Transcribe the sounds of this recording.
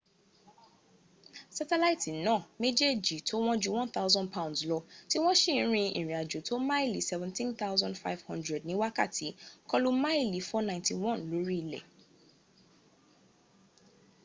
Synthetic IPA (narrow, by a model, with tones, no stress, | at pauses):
sa˧tɛ˦la˦i˦tĩ˨nãː˦˨me˦d͡ʒe˦˨d͡ʒi˨tʰo˦w̃ɔ̃˦d͡ʒu˦wɔ̃˦nt̪a˦wzɔ̃˦ndpa˦ũ˨ndslɔ˧ti˦w̃ɔ̃˦ʃĩ˦˨˦ɾ̃ĩ˧ḭ̃˨ɾĩ˨a˨d͡ʒo˨to˦mã˦e˦˨li˨˦sɛ˦vɛ̃˨ntĩ˦nt̪a˦wzɔ̃˦ndfa˦jvhɔ̃˦ndɹɛ˨d̚nĩ˦wa˦ka˦˨tʰi˨˦kɔ˦lu˦ma˦e˦˨li˨˦fɔ˦nã˧˨ti˧w̃ɔ̃˦˨nlo˨˦ɾi˦i˨lɛ̰˨